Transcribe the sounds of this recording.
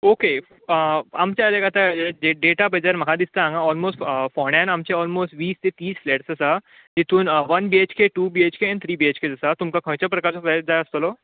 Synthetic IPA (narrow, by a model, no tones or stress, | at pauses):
oke | amt͡ɕaəleɡat̪aeɖeɖeʈabəd͡zaɾməɡad̪ist̪aãŋɡaɔlmosʈfɔɽ̃ãnamt͡ɕeɔːlmoːsʈʋiːst̪et̪iːsfleːʈsɐsa | d͡ʑit̪uːnʋənbiet͡ɕkeʈuːbiet͡ɕkeɛ̃ɳɖt̪ʰɾiːbiet͡ɕked͡zɐsat̪umkakʰə̃t͡ɕəpɾɐkaɾt͡safad͡zajəst̪əlo